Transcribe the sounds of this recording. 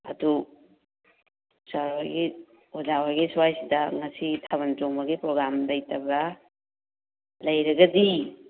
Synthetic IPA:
ɐ̰du | usawaɡi | ozawaɡiswajsidɐŋɐsitʰaβɐntoŋmɐɡipɾoɡɾamdɐjtʰɐbɾɐ | lɐjɾɐɡɐdi

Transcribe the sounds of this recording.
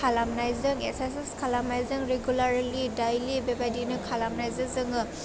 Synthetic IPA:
kʰalamnajzɯŋḛsesiskʰalamnajzɯŋɾeɡulaɾilidajlibebajdinɯkʰalamnajzɯzɯŋɯ

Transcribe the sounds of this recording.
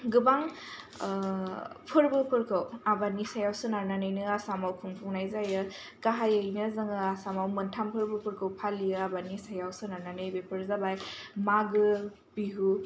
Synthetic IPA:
ɡɯbaŋ | pʰɯɾbɯpʰɯɾkʰɯwabanisajawsɯnaɾnanɯjnɯasamawkʰumpʰɔŋnajzajɯ | kaɦajəjnɯzɯŋaasamawmɯntʰampʰɯɾbɯpʰɯɾkʰɯwpʰalijɯabanisajawsɯnaɾnanɯjbepʰɯɾzabajmaɡɯ | biɦu

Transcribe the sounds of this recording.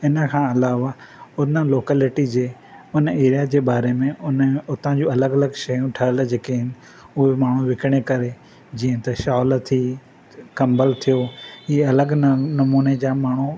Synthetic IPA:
ɪnəkʰãːɐlaːʋaʊnəloːkəlɪʈid͡ʑeː | ʊneːɾijad͡ʑeːbaːɾemẽʊnʊt̪ãd͡ʑũːɐləɡɐləɡʃɐjũʈʰɐɦld͡ʑeːkeɦɪn | ʊɦemaːɳ̤̃ũʋɪkəɽ̃ekɐɾe | d͡ʑĩːə̃t̪ɐʃaːlt̪ʰi | kɐ̃mbəlt̪ʰijoɦiːɐləɡnɐmuːned͡ʑaːmaːɳ̤u

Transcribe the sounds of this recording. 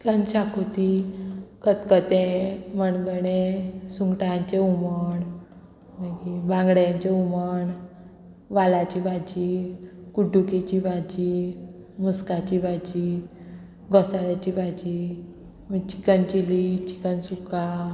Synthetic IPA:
t͡ɕi̥kənɕakot̪ikət̪kət̪ẽməɳɡəɽesuŋɡʈaɲt͡ɕeuməɳ | məɡibãŋɡɽjãɲt͡ɕeuməɳ | ʋalat͡ɕibad͡ʑikuɖukit͡ɕibad͡ʑi | muskat͡ɕibad͡ʑi | ɡɔsaɭat͡ɕibad͡ʑi | mət͡ɕi̥kənt͡ɕilit͡ɕi̥kənsuka

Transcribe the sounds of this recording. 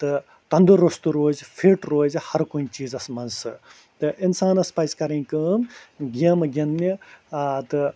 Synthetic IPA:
t̪ɨ | t̪ɐnd̪ɨɾɐst̪uɾoːzpʰiʈɾoːzhɐɾkunʲt͡ʃiːzɐsmɐnsɨ | t̪ɨʔinsaːnɐspɐjzkɐɾĩkɨmɡiɐmɨɡʲinni | t̪ɨ

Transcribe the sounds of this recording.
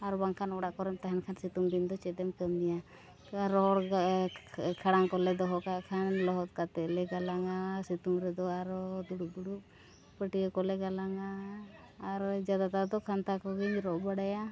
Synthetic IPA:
aɾbaŋkʰanɔɽaʔkɔɾɛmt̪aɦɛnkʰansit̪umd̪ind̪ɔt͡ʃɛd̪ɛmkəmija | ɾɔɔɽ | kʰaɽaŋkɔlɛd̪ɔɦɔkaʔkʰanlɔɦɔt̪̚kat̪ɛlɛɡalaŋasit̪umɾɛd̪ɔaɾɔd̪uɽud̪uɽup | pəʈijɔkɔlɛɡalaŋaː | ɾd͡ʒad̪at̪ad̪ɔkʰant̪akɔɡiɲɾɔʔbaɽaja

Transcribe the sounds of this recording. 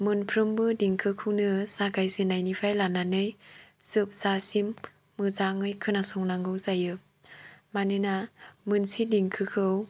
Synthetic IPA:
mɯnpʰɾɯmbɯdiŋkʰɯkʰɯwnɯsaɡajzinajnipʰajlananɯj | sɯp̚sasimː | ɯzaŋɯjkʰɯnasɔŋnaŋɡɯwzajɯ | manɯnamɯnsidiŋkʰɯkʰɯw

